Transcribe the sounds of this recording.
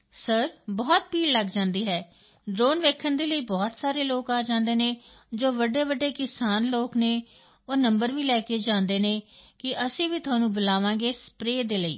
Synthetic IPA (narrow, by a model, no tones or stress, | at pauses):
səɾbɔːt̪̚piːɽləɡd͡ʒãːnd̪iːɦɛː | ɖɾoːnʋeːkʰənd̪eːləiːbɔːt̪saːɾeːloːkaːd͡ʒãːnd̪eːneːd͡ʒoːʋəɖeːʋəɖeːkɪsaːnloːkneː | oːnəmbəɾʋĩːlɛːkeːd͡ʒãːnd̪eːneːkɪʔəsĩːʋiːt̪ʊaːnũːbʊlaːʋãːɡeːspɾeːd̪eːləḭː